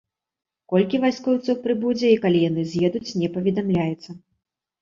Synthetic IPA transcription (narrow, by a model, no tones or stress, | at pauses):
kɔlʲkʲivajskɔwt̪sɔwpɾɨbud͡zʲɛikalʲijanɨzʲjɛd̪ut͡sʲnʲɛpɐvʲɛd̪amlʲajɛt̪sːɐ